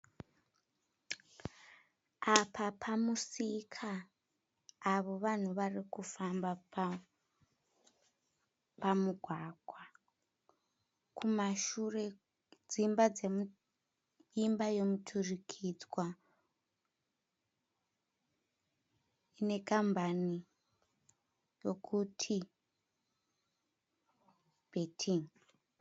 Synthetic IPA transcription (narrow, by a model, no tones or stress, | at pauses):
apʰapʰamusikʰa | ʋo̞ʋan̤uʋarikufamba | pamuɡʱwaɡ̥ʱwa | kʰumaʃure̞ | d͡zimbad͡zem | imbajo̞mutʰurikʰid͡zwa | ne̞kambʱani | jo̞kʰutʰi | b̥ʱetʰiŋ